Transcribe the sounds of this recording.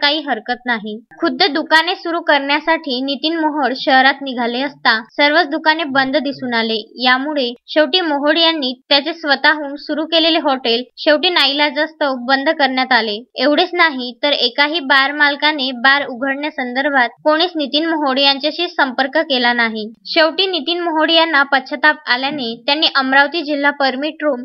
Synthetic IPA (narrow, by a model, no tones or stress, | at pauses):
kaɦiːɦəɾkət̪naɦikʰud̪ʱːed̪ukanesuɾukəɾɳjasaʈʰiːnit̪iːnməɦoɽɕəɦɾat̪niɡʱaleəst̪asəɾʋət͡sd̪ukanebənd̪ʱd̪isuːnalejamuɭeɕeʋʈiːmoɦoɽjanːiːt̪jat͡sesʋət̪aɦuːnsuɾukeleleɦɔʈelɕeʋʈiːnailad͡zast̪əwbənd̪ʱkəɾɳjat̪aleeʋɽet͡snaɦit̪əɾekaɦiːbaɾmalkanebaɾuɡʱəɽɳjasənd̪əɾbʱat̪̚koɽ̃iːsnit̪iːnməɦoɽijaɲt͡ɕjaɕiːsəmpəɾkəkelanaɦiɕewʈiːnit̪iːnməɦoɽijanːapətːɕʰət̪ap̚a̰ljanet̪janːiːʔəmɾaʋt̪iːd͡ʑil̤ːapəɾmiʈɾuːm